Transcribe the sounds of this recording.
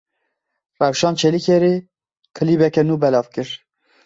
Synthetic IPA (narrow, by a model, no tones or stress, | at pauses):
rɛwʃɑːnt͡ʃʰɛlikʰeɾeː | kʰɨliːbɛkɛnuːbɛlɑːvkɨɾ